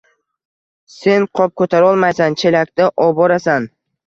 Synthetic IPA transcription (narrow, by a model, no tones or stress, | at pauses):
se̞nqʰɒp̚kʰɵt̪ʰaɾɒlˠmajsant͡ʃʰe̞lak̚ʲt̪aʔɒbɒɾasan